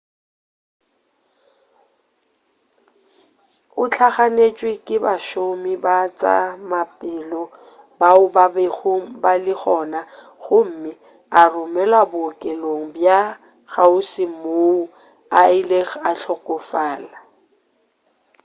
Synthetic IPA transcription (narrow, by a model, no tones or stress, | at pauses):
ʊt͡ɬʰaχanet͡ʃʼwɪkʼɪbaʃomɪbat͡sʼa̰mapʼɪlɔ | baʊbabeɣom̩balɪχɔːna | ɣʊm̩mɪ | arʊmɛlwabʊkʼɛloŋ̩bja | ɣaʊsɪmou | aɪleɣaɬʰɔkʼʊfaːla